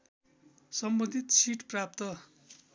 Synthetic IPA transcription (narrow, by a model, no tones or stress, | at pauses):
sʌmbʌnd̪ʱit̪sʰiʈprap̚t̪ʌ